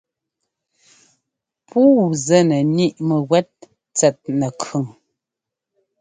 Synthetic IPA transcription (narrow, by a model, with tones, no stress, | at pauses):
pʰuː˦zɛ˦nə˨ni˦ʔmə˨ɣwɛ˦t̚ | t͡sɛ˨t̚nə˨kʰʉ˨ŋ